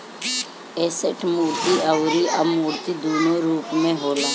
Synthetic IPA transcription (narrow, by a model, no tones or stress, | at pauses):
ɛːsəʈʰmuːɾt̪iəwɾiʔəbmuːɾt̪id̪uːnoɾuːpmẽɦoːlaː